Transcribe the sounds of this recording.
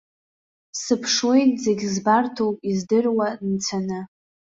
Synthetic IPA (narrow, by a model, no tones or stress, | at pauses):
sɨpʰʂwojtzeɡʲzbartʰowpʼizdɨrwant͡sʷʰanɨ